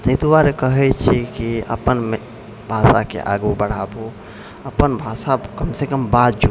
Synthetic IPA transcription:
t̪et̪uʋaɾekəɦɛt͡ʃʰɛkiə̰pənme | bʱasa̰kḛʔa̰ɡubəɽ̤abo | əpənbʱasakəmsekəmbad̪̚d͡ʒu

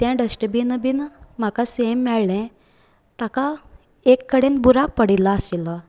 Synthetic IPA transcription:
t̪ɛ̃ɖəsʈəbinəbinm̤akasemːɛɭlɛ̃ | t̪aka | ekːəɽenbuɾak̚pəɽilaəsila

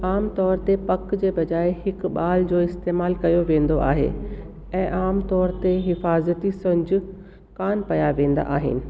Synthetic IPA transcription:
aːmt̪ɔːɾt̪epɐkd͡ʑeːbɐd͡ʑaːehɪkɓaːld͡ʑoːɪst̪eːmaːlkɐjoʋẽːnd̪oʔa̰ːɦḛ | ɛ̃ːʔaːmt̪ɔːɾt̪eɦɪfaːzət̪isɐ̃ɲd͡ʑʊ̆ | kaːnpɐjaʋẽːnd̪a̰ʔa̰ːɦɪ̰nɪ̆

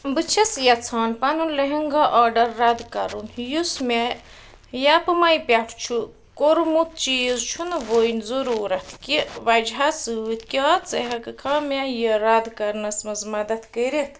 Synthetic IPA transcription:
bɨt͡ʃʰɐsjɐt͡sʰaːnpɐnunlɐɦiŋɡaʔaːɖɐɾːɐd̪kɐɾunjusme | japɨmɐjpʲɐʈʰt͡ʃʰu | koɾmut̪̚ʰt͡ʃiːzt͡ʃʰunɨʋojnʲzuɾuːɾɐt̪ʰkiʋɐd͡ʒɦasɨt̪ʰkʲaːt͡seɦɐkɨkʰaːmʲajəɾɐd̪kɐɾnɐsmɐzmɐd̪ɐt̪ʰkəɾit̪ʰ

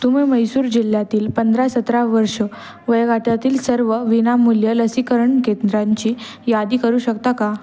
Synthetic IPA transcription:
t̪umeməjsuːɾd͡ʑil̤jat̪iːlpənd̪ʱɾasət̪ɾaʋəɾʂə | ʋəjɡʱaʈjat̪iːlsəɾʋəʋinamːuljələsikəɾəɳkend̪ɾaɲt͡ɕiː | jad̪iːkəɾuːɕəkt̪aka

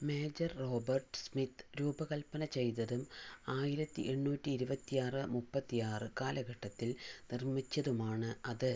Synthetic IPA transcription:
meːd͡ʑɐrːo̞ːbɐrʈɨ̥smit̪ɾuːbɐkɐlpɐnɐt͡ɕe̞jt̪ɐðumaːjiɾɐt̪ːḭʔe̞ɳːuːtʲːiːɾubɐt̪ːijaːrɨmupːɐt̪ːijaːrɨkaːlɐɡɐʈːɐt̪ːilnirmit͡ɕːɐðumaːɳɨɐðɨ

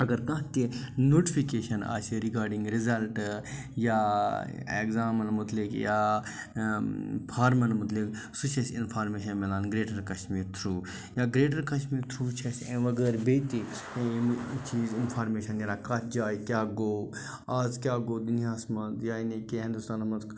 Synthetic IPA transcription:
ɐɡɐɾkɐ̃ɦt̪inoːʈifʰikeːʃɐna̰ːt͡ʃʰiɾikaːɾɖiŋɡɾizɐlʈ | jaː | ḛɡzaːmɐnmʊt̪likjaː | pʰaːɾmɐnmʊt̪lik | sut͡ʃʰɐsḭnpʰaːɾmeːʃ̬ɐnmilaːnɡɾeːʈɐɾkɐʃmiːɾt̪ʰɾuː | jaːɡɾeːʈ̬ɐɾkɐʃmiːɾt̪ʰɾuːt͡ʃʰɐsẽːʋɐɡəɾbet̪i | t͡ʃiːzinpʰaːɾmeːʃɐnjɐlãkat̪ʰd͡ʒaːjkʲjaːɡoː | aːzkʲaːɡoːd̪unijaːsmɐt̪jaːinikeɦĩnd̪ust̪aːnɐmɐt̪

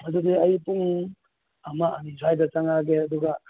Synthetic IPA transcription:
mɐdudeɐjpuŋ | amaʔɐnizajdɐt͡ʃaŋaɡeɐd̪uɡɐ

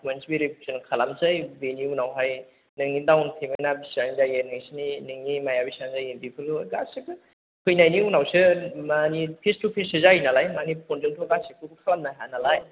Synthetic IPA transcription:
mansibiɾikʰusʰɯnkʰalamzɯjbeniunawɦaj | nɯŋnidawntʰemenabisanizajenɯŋsininɯŋnimajabisanzajinbipʰɯlɯɡasɯɡɯ | kʰɯjnajniunawsɯmanipʰestupʰesɯzajinalajmanipʰonzɯŋtʰɔɡasikʰukɯkʰalamnaɦanalaj

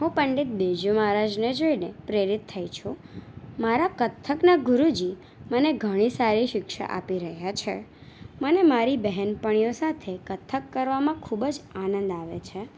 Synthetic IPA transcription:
ɦũpəɳɖit̪̚bed͡ʒumaɾad͡ʒned͡ʒoinepɾeɾit̪ʰːajt͡ʃʰumaɾakət̪ʰːəknaɡʊɾud͡ʒi | məneɡʱəɽ̃isaɾiʃɪkʃa̰ʔa̰piɾəɦjat͡ʃʰemənemaɾibɛɦɛnpəɽ̃ijosat̪ʰekət̪ʰːəkːəɾʋamãkʰubəd͡ʒanə̃nd̪aʋḛt͡ʃʰe

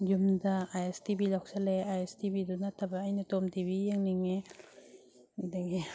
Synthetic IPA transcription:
jumdaajestibilawk̚saleajestibidunatʰabaːjnatomtibijeŋniŋe | daɡi

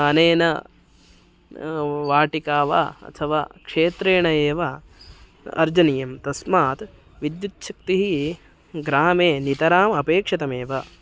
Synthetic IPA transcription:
ɐneːnɐ | ʋaːʈikaːʋa̰ːɐ̰t̪ʰɐʋa̰ːkʂeːt̪ɾeːɳɐjeːʋɐ | ɐ̰ɾd͡ʒɐnijɐmt̪ɐsmaːt̪ | ʋid̪jut̪ʃɐk̚t̪iɦi | ɡɾaːmeːnit̪ɐɾaːmɐpeːkʂɐt̪ɐmeːʋɐ

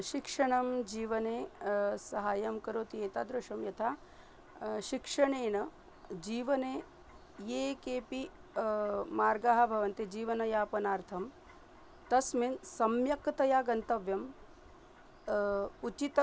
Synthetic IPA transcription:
ʃikʂɐɳɐmd͡ʒiːʋɐneːsɐɦaːjɐmkɐɾoːt̪eːt̪aːd̪ɾɐʂɐmjɐt̪ʰaː | ʃikʂɐɳeːnɐ | d͡ʒiːʋɐneː | jeːkeːpi | maːɾɡaːɦɐ̆bʱɐʋɐnt̪id͡ʒiːʋɐnɐjaːpɐnaːɾt̪ʰɐm | t̪ɐsminsɐmjɐkt̪ɐjaːɡɐnt̪ɐʋjɐm | ut͡ʃit̪

